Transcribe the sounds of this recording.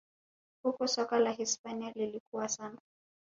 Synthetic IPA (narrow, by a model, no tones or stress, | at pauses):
hukɔsɔkalaɦispanialilikuwasana